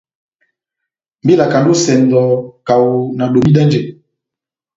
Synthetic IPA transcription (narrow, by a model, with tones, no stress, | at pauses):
mbi˦la˨ka˨ndo˦sɛ˨ndɔ˨ka˨wu˨na˨ɗo˨mi˦da˦nd͡ʒɛ˨